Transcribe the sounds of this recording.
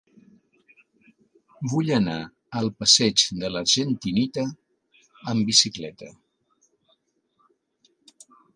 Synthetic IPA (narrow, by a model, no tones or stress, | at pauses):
buʎəna | əlˠpəsɛd͡ʒd̪ələɾʒənt̪init̪əː | mbisiklɛt̪ə̰